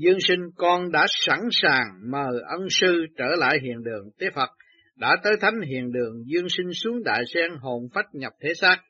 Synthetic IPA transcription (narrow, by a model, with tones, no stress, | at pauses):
zɨ˧ənsï˧ŋ̟kɔ˧nɗa̰ː˧˥sa˧˥nsaː˨˩ŋməː˨˩ʔə˧nsɨ˧t͡ɕəː˧˩la̰ː˧˨jɦḭ˧˨ənɗɨ˨˩əŋt̪e˨˦˥t̚fə˨˩t̚ | ɗa̰ː˧˥t̪əː˨˦jt̪ʰa˨˦jŋ̟ɦḭ˧˨ənɗɨ˨˩əŋzi˧ənsi˧ŋ̟su˨˦əŋɗa̰ː˧˨jsɛ˧ŋɦo˧˨˩nfa˦˥jt̚ɲə˨˩p̚t̪ʰe˨˦saː˦˥k̚